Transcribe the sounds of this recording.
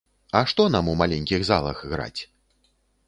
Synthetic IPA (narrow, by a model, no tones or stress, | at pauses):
ɐʂt̪ɔnamumalʲɛnʲkʲiɣzalˠɐ̰xɣɾa̰t͡sʲ